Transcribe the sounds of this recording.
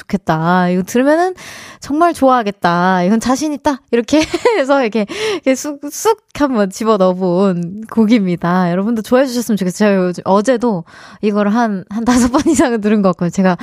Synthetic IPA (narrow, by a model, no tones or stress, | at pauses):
t͡ɕo̥kʰe̞t̚t͈aiɡʌtɯɭmjʌnɯnt͡ɕʌŋmaɭt͡ɕoaɦaɡe̞t̚t͈aiɡʌnt͡ɕaɕʰiɲit̚t͈aiɾʌkʰe̞ːs̬ʰʌiɾkʰe̞kʰesʰuk̚s͈ʰuk̚hambʌnt͡ɕibʌnʌbunkoɡimɲidajʌɾʌbundot͡ɕoaɦed͡ʑuɕʰʌs͈ɯmjʌnt͡ɕokʰet͡ɕeɡd͡ʑʌd͡ʑe̞do | iɡʌɾɯɭɦanɦantasʰʌp͈ʌnisʰaŋɯɭt̬ɯɾɯnɡʌk͈ojt͡ɕe̞ɡa